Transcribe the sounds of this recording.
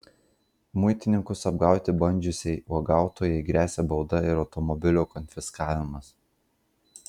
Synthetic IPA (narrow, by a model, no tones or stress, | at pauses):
mʊɪt̪ʲɪnʲɪŋkʊsɐbɡɑˑʊt̪ʲɪbɐnʲd͡ʒʲʊsʲɛɪuɡɑˑʊt̪oːjɛɪɡɾʲæːsʲɛbɒʊd̪ɐɪɾɒʊt̪ɔmɔbʲɪlʲuːkɔnʲfʲɪskɑːʋʲɪmɐs